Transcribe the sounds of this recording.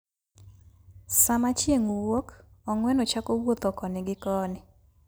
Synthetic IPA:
samat͡ʃjeŋuwokɔŋwɛnɔt͡ʃakowot̪ɔkɔnɪɡɪkɔnɪ

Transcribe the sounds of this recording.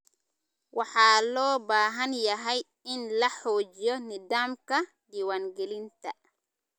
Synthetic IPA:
wʔaħalɔːbaːɦanjaɦaj | inlaħoːd͡ʒijɔnidamka | diwanɡelint̪a

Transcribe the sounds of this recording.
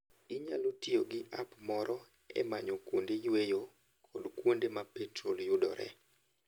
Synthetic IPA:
iɲa̰lotioɡɪʔa̰pmɔɾɔ | ɛ̰maɲɔkwondejwejo | kʰɔdkwondemapɛtroljʊdɔ̰ɾɛ̰

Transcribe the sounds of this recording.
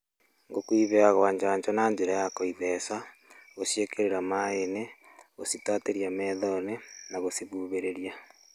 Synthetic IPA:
ŋɡokwiːβeaɣwaɲd͡ʒaːɲd͡ʒonaɲd͡ʒeɾajakoiðesa | ɣoʃjekeɾeɾamaene | ɣositaːteɾjameːðonenaɣosiβuːβeɾeɾja

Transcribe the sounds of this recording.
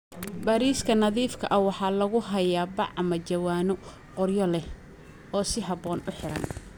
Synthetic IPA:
bɐɾiːskʰɐnɐðiːfkʰɐ̰ʔɐwɑħɑːlɐɣʊɦɐjaːbɑʕmɐt͡ʃɐwaːnɔ | qʊrjɔlɛ | ɔːsɪɦɐbɔːnʊħɪɾɐ̰n

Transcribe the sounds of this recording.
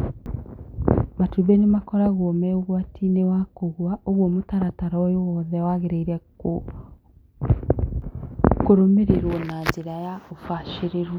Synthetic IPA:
matuβenemakɔɾaɣomɛoɣwatʰinewakoɣwaʔoɣwɔmotaɾataɾɔjowɔðɛwaɣeɾeiɾɛ | koɾomeɾeɾwɔnaɲzeɾajaofaʃeɾeɾwo

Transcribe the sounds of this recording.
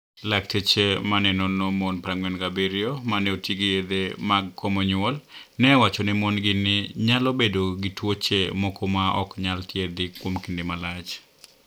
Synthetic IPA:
laktet͡ʃemanɛnɔnomonpɾaŋwɛnɡabiɾjomanɛotiɡijed̪emaɡkːomɔɲwɔl | nɛwat͡ʃɔnɛmonɡɪnɪɲalobedoɡitwot͡ʃemɔkɔmaʔɔ̰kɲaltjed̪ɪkwomkindemalat͡ʃ

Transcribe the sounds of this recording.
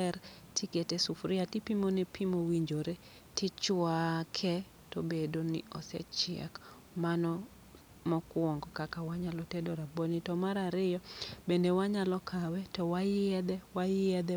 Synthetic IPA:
ɛr | tiketesufɾɪatipimonepʰimowiɲd͡ʒoɾe | tɪt͡ʃwakʰɛ | tobedonḭɔ̰sɛ̰t͡ʃɪɛ̰k | manɔ | mɔkwɔŋɡɔkakawaɲalɔtedoɾabonitɔmaɾaɾɪjɔbendewaɲalɔkʰawɛtɔwajɪɛd̪ɛwajɪɛd̪ɛ

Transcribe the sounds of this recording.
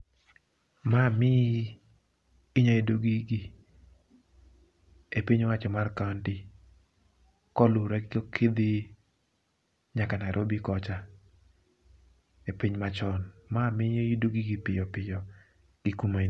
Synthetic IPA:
mamɪ | ɲɔidoɡiɡi | epiɲwat͡ʃɔmarkantɪ | kɔlʊɾɛɡɪkokʰid̪ɪ | ɲakanaɾʔobikɔt͡ʃa | epiɲmat͡ʃɔnmamɪɲidoɡiɡipɪjɔpɪjɔ | ɡ̥ɪkuma

